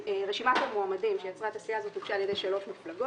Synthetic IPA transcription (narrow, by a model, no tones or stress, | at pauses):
eʁeʃimaʃelmoamadimʃejat͡sʁat̪aslijaːzot̪uɡʃaːlje̞d̪ejʃalo̞ʃmiflaɡo